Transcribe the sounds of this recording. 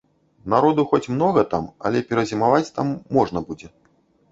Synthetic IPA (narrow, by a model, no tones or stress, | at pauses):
naɾɔd̪uxɔt͡sʲmnɔɣɐt̪amɐ̰lʲɛpʲɛɾɐzʲimavat͡sʲt̪amːɔʐnɐbud͡zʲɛ